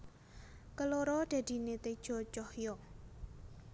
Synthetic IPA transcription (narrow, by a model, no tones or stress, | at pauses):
kəloɾɔd̪̥a̤d̪̥i̤net̪ed̥ʒ̥ɔ̤t͡ʃɔhjɔ